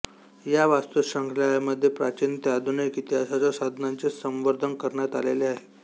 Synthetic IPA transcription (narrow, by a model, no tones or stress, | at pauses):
jaʋast̪əɕəŋkʰlajməd̪ʱːjepɾat͡ɕint̪jad̪ʱunəjkit̪asat͡sɔsad̪ʱnant͡sesə̃mʋəɾd̪ʱənkəɾɳjat̪aleleaɦe